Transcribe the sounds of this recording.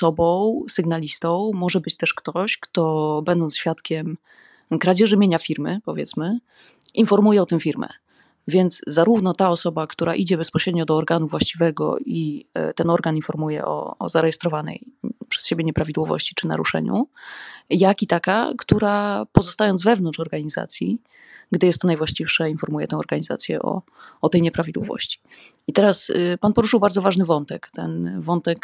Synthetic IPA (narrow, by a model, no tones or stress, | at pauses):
sɔbɔ̃w̃sɨɡnalʲist̪ɔ̃w̃mɔʐɛbɘt͡ɕt̪ɛʂkt̪ɔɕkt̪ɔbɛnd̪ɔnt̪sɕfʲjat̪kʲɛm | kɾad͡ʑɛʐɘmʲjeɲafʲiɾmɘpɔvʲjɛ̰t̪smɘ | infɔɾmujɛɔt̪ɨmfʲiɾmɛ̰ | vʲjɛnt̪zszaɾuvnɔt̪aɔsɔbakt̪uɾaʔid͡ʑɛbɛspɔɕɾɛd̪̚ɲɔd̪ɔːɾɡanuvwaɕt͡ɕivɛɡɔ̰it̪ɛnɔɾɡaninfɔɾmujɛ̰ʔɔ̰ːzaɾɛjɛst̪ɾɔvanɛ̰jpʂɛ̥sɕebʲjɛɲɛpɾavʲid̪wɔvɔ̰ɕt͡ɕi̥t͡ʂɘna̰ɾuʂɛ̰ɲṵ | jakit̪aka̰kt̪uɾapɔzɔst̪ajɔnd̪zvɛvnɔnt͡ʂɔɾɡaɲiza̰t̪sʲjḭ | ɡd̪ɘjɛst̪ːɔnajvwaɕt͡ɕifʂainfɔɾmujɛ̰t̪ɛ̃w̃ɔɾɡaɲiza̰t̪sʲjɛ̰ʔɔ̰ːt̪ɛjɲɛpɾavʲid̪wɔ̰vɔ̰ɕt͡ɕi̥ | it̪ɛɾaspanpɔɾuʂɨwbaɾdzɔvaʐnɘvɔnt̪ɛkt̪ɛ̰nvɔnt̪ɛk